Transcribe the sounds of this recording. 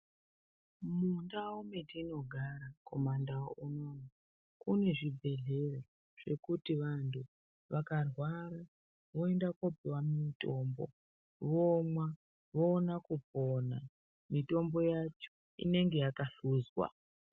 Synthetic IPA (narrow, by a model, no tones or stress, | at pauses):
mundaumetiːno̞ɡʱaɾako̞mandaunoma | kune̞ʐibʱe̞ɮe̞ro | ʐ̥e̞kutiʋantʰu | ʋakarwaɾa | ʋo̞endakopiwammto̞ːmbo̰ | ʋomwa | ʋo̞ːnakupona | mito̞mbo̞jat͡ʃo | ḭne̞ŋɡe̞jakaɬuːzwa̰